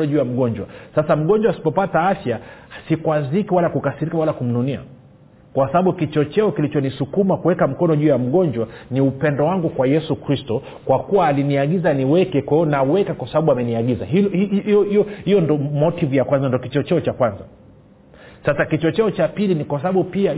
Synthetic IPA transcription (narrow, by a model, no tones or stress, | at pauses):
ɔʄuːjam̩ɠɔɲd͡ʒwa̰sasam̩ɠɔɲd͡ʒwaːsi̥pɔpataafjasikwazikiwalakukasiɾikawalakum̩nunia̰ | kwasabaɓukit͡ʃɔt͡ʃɛɔkilit͡ʃɔnisukumakuwɛkam̩kɔnɔʄuːjam̩ɠɔnd͡ʒwaniupɛndɔwaŋɡukwajɛsukɾistɔ | kwakuwaːliniaɡizaniwɛkɛkɔnawɛkakwasaɓaɓuamɛniaɠizaɦiiɔhijɔndɔmɔtivujakwanzandiɔkit͡ʃɔt͡ʃɛɔt͡ʃakwanza | sasakit͡ʃɔt͡ʃɛɔt͡ʃapilinikwas̬aɓaɓupia